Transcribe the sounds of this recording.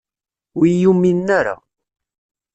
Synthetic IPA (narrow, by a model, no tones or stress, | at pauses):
wijumːinːaɾa̰